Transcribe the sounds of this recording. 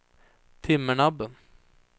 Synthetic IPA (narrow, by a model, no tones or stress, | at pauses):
t̪ʰɪməɳɑbə